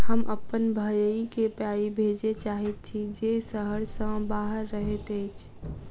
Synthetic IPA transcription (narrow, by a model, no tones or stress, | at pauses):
həmʔəpənbʱəjəikepjaːibʱeːd͡ʒet͡ʃaːɦet̪̚t͡ʃʰid͡ʒesəɦəɽsə̃baːɦəɾːəɦet̪eɪt͡ʃʰ